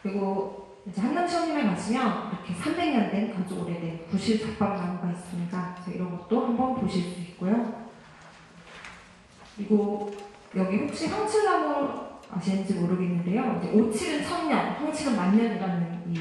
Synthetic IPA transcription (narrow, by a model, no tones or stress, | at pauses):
kɯɾiɡo | id͡ʑe̞hanːamt͡ɕʰʌŋɲimɯɭkad͡ʑʰimjʌniɾʌkʰe̞sʰambe̞ŋɲʌndwenkad͡ʑʰooɾedwenkuɕʰiɭt͡ɕak̚p͈amnanɯnɡais͈ɯmɲidat͡ɕʌḭɾʌnɡʌt̚t͈ohambʌnpoɕʰiɭs͈uik̚k͈ojo | kɯɾiɡo | jʌɡiɸok̚ɕ͈isʰʌŋt͡ɕʰiɭnamɯɾa̰ɕʰinːɯnd͡ʑimoɾɯɡenːɯnde̞joid͡ʑe̞̰ʔot͡ɕʰiɡɯnsʰʌŋɲʌnsʰʌŋt͡ɕʰiɡɯnmaɲːʌniɾanɯni